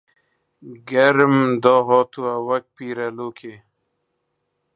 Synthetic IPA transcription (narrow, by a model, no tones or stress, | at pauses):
ɡɐɾmd̪ɔːɦɔːt̪uawɐk̚piːɾalokʰe